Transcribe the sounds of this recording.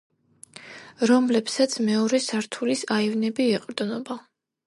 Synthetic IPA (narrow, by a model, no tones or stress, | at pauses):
ɾɔmlɛpsat̪sʰmɛɔɾɛsaɾt̪ʰulisaivnɛbiɛqʼɾd̪nɔba